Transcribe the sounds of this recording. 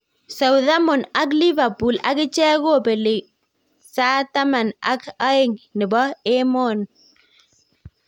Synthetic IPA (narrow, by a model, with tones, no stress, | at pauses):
sa˨wða˦mɔ˨na˦kli˦va˨pu˨la̰˨kɪ˦t͡ʃɛ˦ɣo˦˨be˨lɪ˨ | sa˦ta˦ma˨na̰˦ka˦ɪ˦ŋnɪ˨bɔ˦e˦mɔ˦n